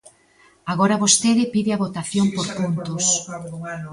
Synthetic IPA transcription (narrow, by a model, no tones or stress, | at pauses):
aɣoɾɐβost̪eðɪpiðɪaβot̪aθjoŋpoɾpunt̪os